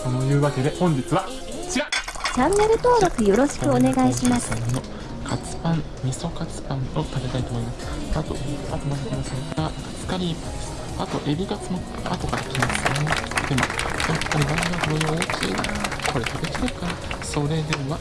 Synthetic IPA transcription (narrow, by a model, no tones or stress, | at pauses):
anojɯ̟ːβake̞d̪e̞hõ̞ɲ̟d͡ʑit͡sɨβa | t͡ɕiɾad͡ʑãnːe̞ɾɯ̟t̪o̞ːɾo̞kɯ̟jo̞ɾo̞ɕi̥kɯ̟one̞ɡaiɕimasno | kʰat͡sɨ̥pãn | mʲiso̞kat͡sɨ̥pãnot̪at̪e̞t̪ait̪o̞mo̞imasɨ̥at̪o̞̰a̰t̪omad̪akinosɾek̪aa | t͡sɨ̥kaɾʲipː | at̪o̞ʔe̞bʲiɡat͡sɨno | a̰t̪o̞kaɾakʲimasɨjoned̪̥e̞mo̞japːaɾʲimanɡakoɾɾeoːkʲʰḭːd̪akʰo̞ɾe̞t̪ʰat̪e̞kʲi̥t̪e̞ɾɯ̟kaɾaso̞ɾe̞d̪e̞βa